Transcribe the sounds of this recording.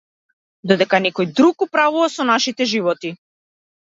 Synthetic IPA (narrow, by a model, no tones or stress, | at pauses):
d̪ɔd̪ɛkanɛkɔjd̪ɾuɡ̚upɾavuvasɔnaʃit̪ɛʒivɔt̪i